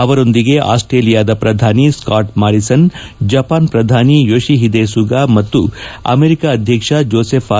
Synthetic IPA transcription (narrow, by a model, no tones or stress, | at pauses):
ɐʋɐɾo̞nd̪iɡe̞ʔa̰ːsʈɾeːlijaːd̪ɐpɾɐd̪ʱaːniskaːʈmaːɾisɐnd͡ʒɐpaːnpɾɐd̪ʱaːnijoːʂiɦid̪eːsuɡaːmɐt̪ːuɐ̰meɾikaɐd̪ʱjɐkʂɐd͡ʒoːseːpʰa